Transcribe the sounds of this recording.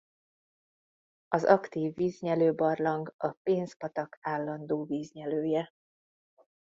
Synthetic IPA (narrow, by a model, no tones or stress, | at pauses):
ɒzɒkt̪iːvːiːzɲɛløːbɒrlɒŋɡɒpeːnspɒt̪ɒkʰaːlːɒnd̪oːviːzɲɛløːjɛ